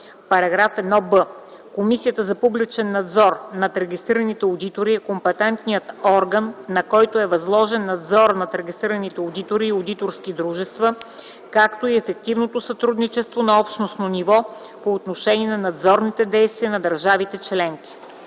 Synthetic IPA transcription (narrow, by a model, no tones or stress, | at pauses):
pɐɾɐɡɾafɛd̪nɔbə | komisijət̪əzɐpublit͡ʃɛnːɐd̪zɔɾnɐt̪ɾɛɡʲist̪ɾiɾɐnit̪ɛod̪it̪oɾiɛkompɛt̪ɛnt̪nijət̪ɔɾɡənːɐkɔjt̪oɛvɐzlˠɔʒɛnːɐd̪zɔɾnɐt̪ɾɛɡʲist̪ɾiɾənit̪ɛod̪it̪oɾiːod̪it̪oɾskid̪ɾuʒɛst̪və | kakt̪oiɛfɛk̚t̪ivnot̪osɐt̪ɾud̪nit͡ʃɛst̪vonɐɔpʃnosnonivɔ | poːt̪noʃɛniɛnɐnɐd̪zɔɾnit̪ɛd̪ɛjst̪viənɐd̪ɐɾʒavit̪ɛt͡ʃlɛŋk̟ʲi̥